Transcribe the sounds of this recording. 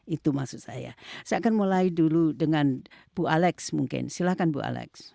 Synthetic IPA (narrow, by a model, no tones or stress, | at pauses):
it̪umasuʔ̚sa̰ja̰saaʔkanmulaiduludəŋanbualɛksmuŋkɪ̰nsilahkanbṵa̰lɛ̰ks